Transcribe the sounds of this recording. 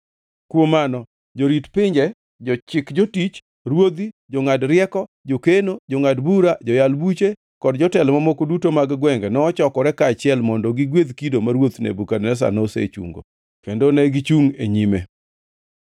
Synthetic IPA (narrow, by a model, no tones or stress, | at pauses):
kwomanɔ | d͡ʒoɾitpɪɲd͡ʒɛ | d͡ʒɔt͡ʃɪkd͡ʒotit͡ʃ | ɾwod̪id͡ʒɔŋadɾɪɛkɔ | d͡ʒokenod͡ʒoŋadbuɾad͡ʒɔjalbut͡ʃe | kɔdd͡ʒɔtɛlmamokodutomaɡɡwɛŋɡɛnɔɔt͡ʃɔkɔɾɛkaːt͡ʃɪɛlmɔndɔɡɪɡwed̪kidomaɾwot̪nḛbukadnɛs̬a̰nɔsḛt͡ʃṵŋɡo̰ | kendonɛɡit͡ʃuŋeɲime